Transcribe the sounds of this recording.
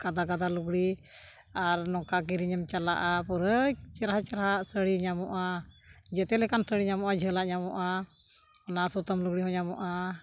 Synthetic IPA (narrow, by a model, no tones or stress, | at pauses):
kad̪akad̪aluɡɽi | aɾnɔkak̬iɾiɲəmt͡ʃala̰ʔapuɾət͡ʃəɾɦat͡ʃəɾɦaʔsəɽiɲamɔʔad͡ʒɛt̪ɛlɛkansəɽiɲamɔʔad͡ʒʱəlaʔɲamɔʔa | ɔnasɔt̪əmluɡɽiɦɔ̃ɲamɔʔa